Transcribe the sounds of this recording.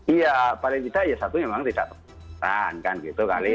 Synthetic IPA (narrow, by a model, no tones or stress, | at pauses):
ijapalɪŋt̪id̥aʔjasat̪umemaŋt̪ida̰ʔp̪ərbəəɾankanɡit̪uka̰li